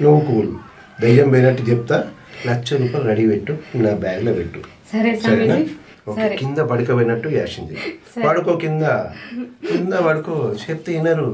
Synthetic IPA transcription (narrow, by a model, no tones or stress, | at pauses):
nuʋukuːlu | d̪ɐjːɐmbɐjnɐʈːud͡ʒep̚t̪aː | lɐt͡ʃːɐɾuːpɐːlɾɐɽiʋeʈːunaːbaːɡlɐbeʈːu | ɾsɐɾɐna | okɐkind̪ɐbɐɽikɐʋɐjnɐʈːuja̰ːʂiɲd͡ʒiʋaːɽukoːkind̪ɐ | kind̪ɐʋaːɽɐkot͡ʃep̚t̪ɐjinːɐɾu